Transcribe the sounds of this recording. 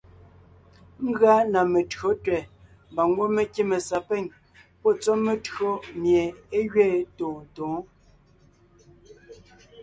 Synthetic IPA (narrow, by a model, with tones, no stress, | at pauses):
ŋ̩˦ɡɰa˦na˨me˨tɰo˨˦tɥɛ˨ | mba˨ŋ˦ɡwo˦me˦˨ke˦me˨sa˨pɛ˦˨ɲ | pɔ˦˨t͡sɔ˦me˨tɰo˦mje˨e˦ɣɥɛː˦˨tõː˨n̩˨tõː˨˦